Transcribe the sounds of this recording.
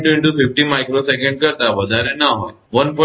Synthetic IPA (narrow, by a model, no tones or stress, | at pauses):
ʈiɳʈufifʈiːmajkɾosekẽɳɖkəɾt̪aʋəd̪ʱaɾenaɦoj | ʋənpɔ